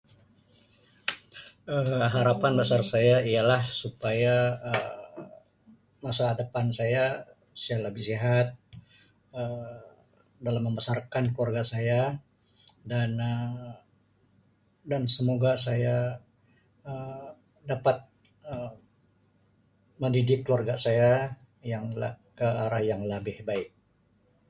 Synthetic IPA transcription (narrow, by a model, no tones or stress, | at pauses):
əmɦaɾapanbəsarsajaialahsupajaə | masaadapansaja | saaləbɪhsiɦat̪̚ | ə | dalamːəmbəsarkankuwarɡasaja | danə | dansəmoɡasaja | ə | dapat̪̚ | ə | məndidɪkːluarɡasaja | jaŋla̰kəaɾahjaŋləbɪhbaɪk̚